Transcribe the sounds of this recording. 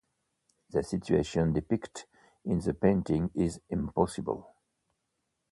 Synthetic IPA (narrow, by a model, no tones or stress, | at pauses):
ðəsɪtʉḛʃə̃ndɪpɪkt | ɪ̃nðəpẽɪ̃ntɪ̃ŋɪzɪ̃mpɔsɪbə̰lˠ